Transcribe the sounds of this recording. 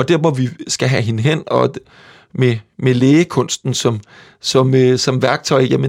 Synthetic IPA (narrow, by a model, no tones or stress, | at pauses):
ɒ̽d̥eɐʋɒʋisɡ̥æɦæɦe̝nəɦen̰ɒ̽ | memeleːəkʰɔ̽n̰sd̥n̩sɒ̽m | sɒ̽møsɒ̽mʋæɐɡ̥̚t͡sʰɒ̽ɪjæmə